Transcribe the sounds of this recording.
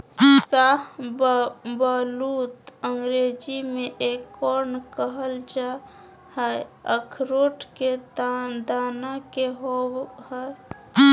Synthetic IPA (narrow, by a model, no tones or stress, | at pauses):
saɦ | baːluːt̪əŋɡɾeːd͡ʒimẽʔekːɔːɾnkəɦəld͡ʒa | hɛeəkʰɾoːʈʰked̪aːnakeɦoɦɛ